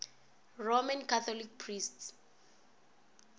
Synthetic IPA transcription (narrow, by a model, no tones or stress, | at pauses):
romankʰat̪ʰɔlik̚pʰrists